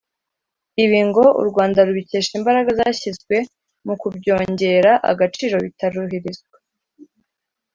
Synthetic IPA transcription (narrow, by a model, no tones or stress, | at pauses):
iβiːŋɡo̞ṵɾɡwaːndaɾuβice̞ːʃimbaɾaɡazaːçizɡwe̞ | mukubɟo̞ːɲɟe̞ɾaʔa̰ɡat͡ʃiːɾo̞βitaɾuɦiɾizɡwe̥